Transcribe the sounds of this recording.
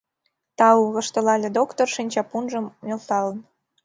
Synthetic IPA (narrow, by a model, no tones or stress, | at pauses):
t̪ɑuɣə̆ʃt̪ə̆lɑlʲed̪okt̪orʃinʲt͡ɕɑpunʒəmmʲelt̪ɑlən